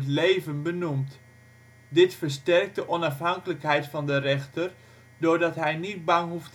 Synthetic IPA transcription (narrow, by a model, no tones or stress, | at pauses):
ətleːvənbənumt | dɪtfərstɛrk̚tdəʔɔnɑfɦɑŋkələkɦɛjtfɑndərɛxtər | dʊɹdɑtɦɛjnit̚bɑŋɦuft